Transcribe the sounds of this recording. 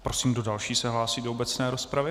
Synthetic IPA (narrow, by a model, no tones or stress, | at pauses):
pɾo̞siːmdo̞dalʃiːsɛɦlaːsiːdoobɛt͡snɛːɾo̞spɾavɪ